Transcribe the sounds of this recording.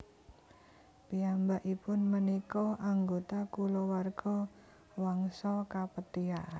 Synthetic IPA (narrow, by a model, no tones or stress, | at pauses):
piambaʔipʊnmənikɔʔaŋɡot̪akulɔwarɡ̥ɔ | waŋsɔkapət̪iaʔa